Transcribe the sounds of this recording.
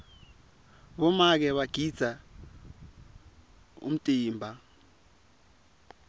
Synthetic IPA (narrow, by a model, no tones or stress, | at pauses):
ɓɔmak̬ɛɓaɡ̥ʱid̥z̥ʱa | ṵm̩tʼiːmbʱa